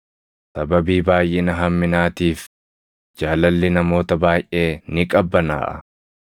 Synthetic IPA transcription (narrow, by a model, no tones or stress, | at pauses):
sɐbɐbiːbaːjʔɪnɐɦɐmːɪnaːt̪iːf | d͡ʒaːlɐlːɪnɐmo̞ːt̪ɐbaːjʔe̞ːnɪkʼɐbːɐna̰ːʔɐ̰